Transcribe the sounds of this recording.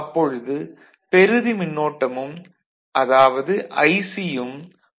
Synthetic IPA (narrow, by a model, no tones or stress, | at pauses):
ɐpːɔɻɯðɯ | pɛɾɯðimɪnːoːʈːɐmɯm | ɐðaːʋɐðɯʔɐɪsijɯm